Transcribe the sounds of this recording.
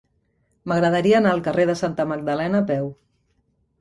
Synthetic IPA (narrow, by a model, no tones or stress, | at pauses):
məɣɾəðəɾiəːnaəlˠkəreðəsant̪əməɡ̚d̪əlɛnəːpɛw